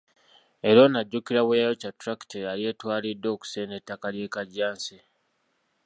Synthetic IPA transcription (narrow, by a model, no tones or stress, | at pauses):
e̞ɾo̞naɟːukiɾawejajocatɾaki̥teɾalje̞ːtwaːledːo̞ːku̥senetːakalje̞ːkaɟːaːnse